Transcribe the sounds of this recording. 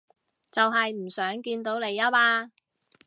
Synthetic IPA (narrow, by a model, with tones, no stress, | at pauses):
t͡sɐ˨wɦɐ˨jm̩˨˩sœː˨˥ŋkiː˧nt̪o˨˥wne˨˧jɐ˥paː˧